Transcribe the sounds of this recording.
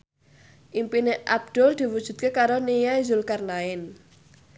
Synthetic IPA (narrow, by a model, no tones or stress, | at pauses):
ʔimpineʔab̚d̪̥ʊld̪̥i̤wud̥ʒ̥ṳt̪̚kekaɾonejazʊlkarnaɪn